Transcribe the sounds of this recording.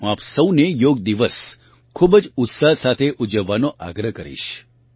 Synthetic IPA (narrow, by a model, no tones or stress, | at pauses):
apsəwnejoːɡ̚d̪iʋəs | kʰubəd͡ʒʊt̪sasat̪ʰeʔud͡ʒəʋːanoʔa̰ɡɾəkəɾḭʃ